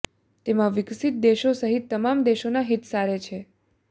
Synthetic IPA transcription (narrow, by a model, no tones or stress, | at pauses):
t̪emãʋɪksit̪̚d̪eʃosəɦit̪ːəmamd̪eʃonaɦit̪saɾet͡ʃʰe